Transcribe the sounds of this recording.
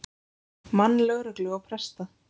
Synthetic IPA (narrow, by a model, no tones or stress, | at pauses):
manːlœɣɾœklʏawpʰɾɛst̪a